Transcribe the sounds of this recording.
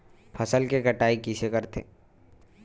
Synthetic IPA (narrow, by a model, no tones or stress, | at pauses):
pʰəsəlkekəʈaːikisekəɾt̪ʰḛː